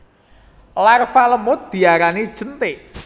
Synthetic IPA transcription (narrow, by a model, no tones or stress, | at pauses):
larfaləmʊt̪̚d̪̥i̤aɾanid̥ʒ̥ə̤nt̪ɪ